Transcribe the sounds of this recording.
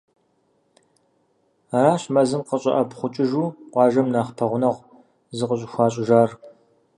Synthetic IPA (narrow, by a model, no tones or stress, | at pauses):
araːɕmɐzɨnqəɕʼɐ̰ʔɐbχʷʊt͡ʃʼɪʒuːqʷɑːʒɐmnaːχpʰɐʁʷʊnɐʁ | zɨqəɕ̬ʼɪxʷɑːɕʼɪʒaːr